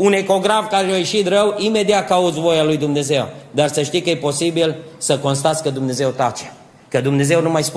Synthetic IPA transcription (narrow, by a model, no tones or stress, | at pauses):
une̞ko̞ɡɾafkaɾeajeʃit̪rəwime̞d̪iat̪̚kaut̪svo̞jalujd̪umne̞ze̞wd̪arsəʃt̪ijkəjepo̞sibil | səkonst̪at̪sʲkəd̪umne̞ze̞wt̪at͡ʃe | kəd̪umne̞ze̞wnumajsp